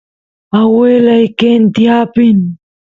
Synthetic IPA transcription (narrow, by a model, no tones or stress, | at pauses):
awelajkent̪iapɪn